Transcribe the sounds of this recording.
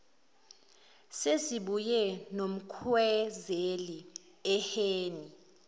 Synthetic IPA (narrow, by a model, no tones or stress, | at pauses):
sesiɓujɛnom̩kʰwɛzeli | ɛheːni